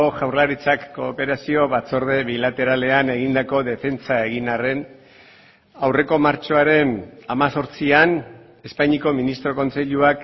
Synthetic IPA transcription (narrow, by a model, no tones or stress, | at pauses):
oʝawrlaɾit͡sakːo̞ːpe̞ɾasioβat͡so̞ɾð̞e̞βilat̪e̞ɾale̞ane̞ɣ̞ind̪ako̞ðe̞fe̞nt͡sae̞ɣinare̞n | awre̞ko̞maɾt͡ʃo̞aɾe̞namaso̞ɾt͡sian | e̞spajɲiko̞minist̪ɾo̞ko̞nse̞ʎuak